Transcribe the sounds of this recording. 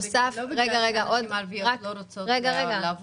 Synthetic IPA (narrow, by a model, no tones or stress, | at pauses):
safʁeɡaʁeɡaʔodʁakʁeɡaʁeɡa